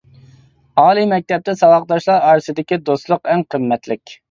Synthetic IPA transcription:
ɑːlˠimɛk̚ʲt̪ɛp̚t̪ɛsɑwɑqd̪ɑʃlˠɑɾɑːɾɨsɨd̪ɪkʲid̪ost̪lˠʊqɛŋqʰəmːɛt̪lɪkʲ

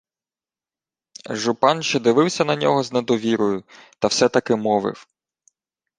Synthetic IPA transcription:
ʒʊpɑnʃt͡ʃɛd̪ɪʋɪwsʲɐnɐnʲɔɦɔzned̪ɔʋʲiɾɔjʊt̪ɐwsɛt̪ɐkɪmɔʋɪ̰w

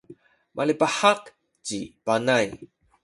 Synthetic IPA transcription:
mʔalipaħaq | cipanaj

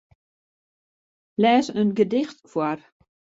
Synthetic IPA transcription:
lɛːsənɡədɪxtkʰwar

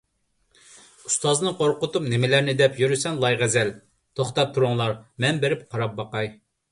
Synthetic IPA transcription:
u̥st̪ɑznɨqoɾqʊt̪upnɪmɪlæɾnɪd̪ɛpjyɾysɛnlˠɑjʁɛzɛl | t̪ʰoχt̪ɑp̚t̪ʰuɾʊŋlˠɑɾmɛnbeɾɪpqʰɑɾɑp̚bɑqɑj

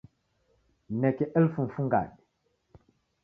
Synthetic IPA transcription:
nɛkɛʔɛlfunfuŋɡa̰ɗi

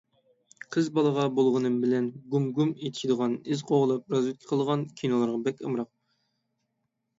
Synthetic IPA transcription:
qʰəzbɑlˠəʁɑbolˠʁənɨmbɪlɛnɡumɡumet̪ʰɪ̥ʃid̪əʁɑnɪzqʰoʁlˠɑp̚ɾɑzwɪt̪̚kʲʰɪ̥qʰəlˠəʁɑnkʲʰinolˠɨɾʁɑbɛkʲɨ̰mɾɑq̚

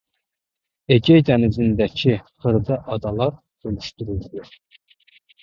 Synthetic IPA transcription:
eɡʲɛjd̪ɛnɪzɪnd̪ɛkʲʰiχəɾd̪ɨʔɑd̪ɑlˠɑɾ | ølyʃt̪yɾuld̪u

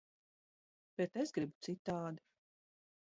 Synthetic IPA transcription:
b̥et̪esɡɾibu̥t̪sit̪ːaːd̪i

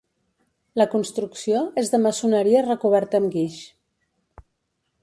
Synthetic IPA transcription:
ləkunst̪ɾuksioezðəməsunəɾiərəkuβ̞ɛɾt̪əːmɡiʃ

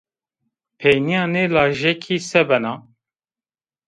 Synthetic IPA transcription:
pʰɛjnijɑːnelɑːʒɛkʰiːsɛbɛnɑ

